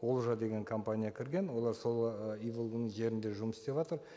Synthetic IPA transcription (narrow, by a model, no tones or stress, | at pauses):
olˠʒɑd̪e̞ɡʲe̞ŋkʰo̞mpanʲijakʲʰɪɾɡʲe̞nwo̞lˠɑɾso̞lˠijvəlˠunəʒe̞ɾɪnd̪e̞ʒʊməsɪ̥st̪e̞pʒɑt̪əɾ